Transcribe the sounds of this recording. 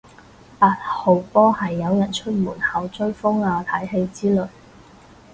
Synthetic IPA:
paː˧t̚ho˨wpɔː˥hɐ˨jːɐ˨˧wjɐ˨˩nt͡ʃʰɵ˥t̚muː˨˩nhɐ˨wt͡ʃɵ˥ɥfʊ˥ŋaː˨˧t̪ʰɐ˨˥jɦe˧jt͡siː˥lɵ˨˩

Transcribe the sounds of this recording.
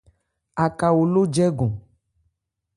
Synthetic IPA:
a˨ka˨wo˨lo˦d͡ʒɛ˦ɡɔ̃˨

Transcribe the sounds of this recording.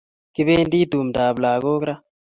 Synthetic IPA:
ki˦βeː˦ndiː˦d̪uː˨m˨daː˨βlaː˨ko˦kɾa˦

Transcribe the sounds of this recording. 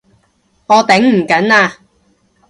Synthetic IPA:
ŋɔː˨˧t̪ɛ˨˥ŋm̩˨˩kɐ˨˥naː˧

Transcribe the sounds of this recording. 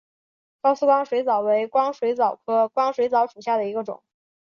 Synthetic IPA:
kɑ˥ʊsɹ̩˥kwɑ˥ŋʂwe˧˥ɪt͡sɑ˨˩ʊwe˧˥ɪkwɑ˥ŋʂwe˧˥ɪt͡sɑ˨˩ʊkʰɤ˥kwɑ˥ŋʂwe˧˥ɪt͡sɑ˧˥ʊʂu˨˩ɕja˥˩d̪ə˩i˧˥ɡə˧ʈ͡ʂʊ̰˨˩˦ŋ

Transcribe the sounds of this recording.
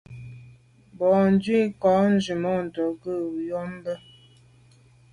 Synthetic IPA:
bɔ˨n˦d͡ʒɥi˦kɔ˨˦n̩˦d͡ʒi˨mɔ˦˨n̩˨tɔ˨ɡə˦˨u˨jɔ˦m˦bə˦

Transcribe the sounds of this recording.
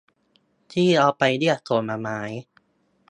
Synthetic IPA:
t̪ʰiː˥˩ɾɔː˧pa˧jdi˥˩ət̪̚so˨˩nmaː˧maː˦˥j

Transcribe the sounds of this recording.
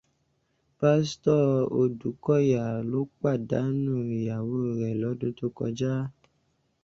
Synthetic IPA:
pa˦stɔ˦˨o˧du˨˦kɔ˦˨ja˨lo˨˦k͡pa˦˨da˨˦nũ˦˨ja˨wo˦˨ɾɛ˨lɔ˨˦dũ˦to˦kɔ̰˧d͡ʒa˦

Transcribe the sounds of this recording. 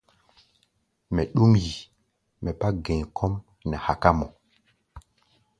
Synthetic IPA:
mɛ˨ɗu˦mji˨ | mɛ˨ba˦ɡẽ˨kʰɔ˦m | nɛ˨ha˨ka˦mɔ˨

